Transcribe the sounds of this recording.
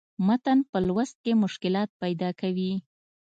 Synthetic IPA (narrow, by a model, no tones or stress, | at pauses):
mat̪anpəlwast̪̚kemʊʃkɪlɑt̪̚pajd̪ɑkawi